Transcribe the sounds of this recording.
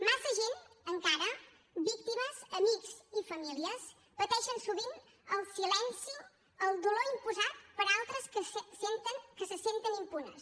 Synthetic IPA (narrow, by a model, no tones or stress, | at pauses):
masəʒenəŋkaɾə | bik̚t̪iməzəmikzifəmiliəs | pət̪ɛʃənsuβin | əlˠsilɛnsi | əlˠd̪uloimpuzat̪pəɾalˠt̪ɾəskəsent̪əŋkəsəsent̪ənimpunə̰s